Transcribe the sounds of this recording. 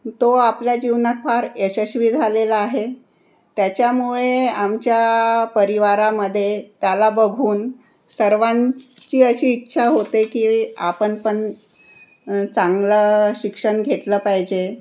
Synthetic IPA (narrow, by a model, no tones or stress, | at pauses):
t̪oapljad͡ʑiʋnat̪faɾeɕəɕʋiːd͡zʱaleləaɦe | t̪jat͡ɕjamuɭeamt͡ɕjapəɾiʋaɾaməd̪ʱːjet̪jalabəɡʱuːn | səɾʋãnt͡ɕiːəɕiːtːɕʰaɦot̪ekia̰pəɳpəɳ | t͡saŋɡləɕikʂəɳɡʱet̪ləːpajd͡ʑe